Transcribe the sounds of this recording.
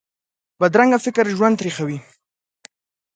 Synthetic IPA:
bad̪ɾaŋɡafɪkɾʒwand̪ɾexawi

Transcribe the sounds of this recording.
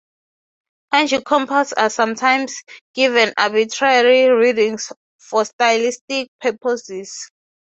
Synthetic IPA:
ãnd͡ʒikʰɔ̃mpʰasasãmtʰãjmsɡ̥ivɛ̃na̰bitʰɹaaɹiɹidĩŋs | fɔstajlistik̚pʰɛpʰɔsis

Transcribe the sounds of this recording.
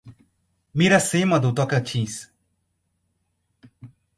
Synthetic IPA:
miɾɐsemɐd̪ut̪ɔkɐt͡ʃʰĩs

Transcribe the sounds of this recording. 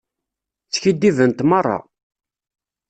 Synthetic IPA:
t͡sːçid̪ːivənt̪mɑrˤːɑ̰

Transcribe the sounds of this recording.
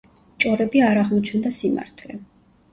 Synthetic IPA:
t͡ʃʼɔɾɛbiaɾaʁmɔt͡ʃʰnd̪asima̰ɾt̪ʰlɛ

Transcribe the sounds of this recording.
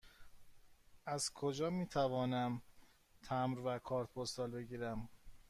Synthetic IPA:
æz̥kʰod͡ʒɒːmiːt̪ʰævɒːnæm | t̪ʰæmɾvækʰɒːɾt̪̚pʰost̪ɒːlbe̞ɟiːɾæm

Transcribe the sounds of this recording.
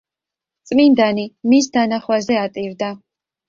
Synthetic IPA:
t̪sʼmind̪animis̬d̪anaχwazɛat̪ʼiɾd̪a

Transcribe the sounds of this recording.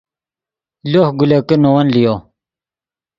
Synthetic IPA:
loːhɡulekenowɐnlijoː

